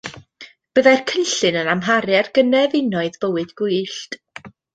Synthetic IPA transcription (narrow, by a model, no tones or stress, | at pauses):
b̥əðajrkʰənɬɨnənamɦaɾjɛrɡənɛvɪnɔɨðbəwɨdɡ̥ʊɨɬt